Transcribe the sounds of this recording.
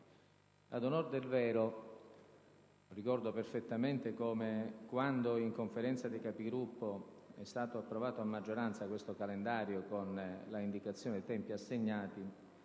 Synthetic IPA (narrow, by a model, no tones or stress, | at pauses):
ad̪onord̪elvɛːɾo | rikɔrd̪operfet̪ːament̪ekomekwand̪oiŋkoɱfeɾɛnt̪sad̪ikapiɡɾupːoɛ̰st̪aːt̪oapːɾovaːt̪oamːad͡ʒːoɾant̪sakwest̪okalend̪aːɾjokonlaind̪ikat̪sːjoːned̪et̪ɛmpiasːeɲːaːt̪i